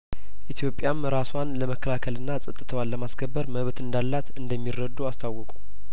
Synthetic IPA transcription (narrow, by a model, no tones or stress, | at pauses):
ʔit̪ʰjo̞pʼːjamɾaswanləməkʰːəlakʰəlɨnːasʼɨt̪ʼːɨt̪ʰəwalːəmaskʰəbːəɾməβt̪ɨnd̪alːat̪ɨnd̪əmːirːəd̪ːuast̪ʰawːɔkʼu